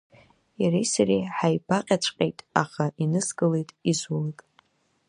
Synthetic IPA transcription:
jarejsarejħajbaqʲʼat͡ʃʷʰʼqʲʼḛjtʼa̰χaʔinɨsɡɨle̞jtʼizwalatʼ

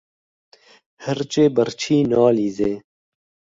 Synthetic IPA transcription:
həɾt͡ʃeːbəɾt͡ɕʰiːnɑːlizeː

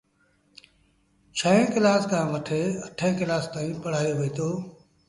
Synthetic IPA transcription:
t͡ʃʰəɦẽːkɪlaːskʰãːʋɐʈʰeːɐʈʰẽːkɪlaːst̪aːĩːpɐɽ̤aːijoːʋeːt̪ʰoː

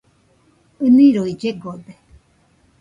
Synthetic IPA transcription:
ɨnĩɾoid͡ʒeɡob̪e

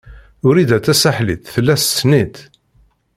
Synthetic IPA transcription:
ʊɾid̪æt͡s̪ːæsaħlḭt̪θəlːæst͡sːnit̪

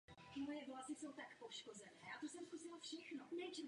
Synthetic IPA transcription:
t̪ɪmojɛvlasɪsowt̪akpoʃkozɛnɛːjaːt̪osɛmskusɪlafʃɛxnonɛjt͡ʃɛ

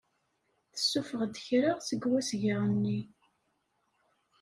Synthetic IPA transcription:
θə̥sːufəʁd̪əçɾaʁsəɡwæsʝəʁənːi

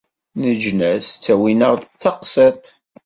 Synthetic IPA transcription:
nəd͡ʒnæst͡sːæwinəɾðt͡sːɑqset̪

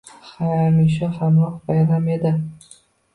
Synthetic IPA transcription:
χajnɪʃ̬ɪhamɾɒqbajɾame̞d̪ɪ

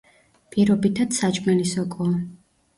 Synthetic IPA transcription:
pʼiɾɔbit̪ʰat̪sat͡ʃʼmɛnisɔkʼɔː

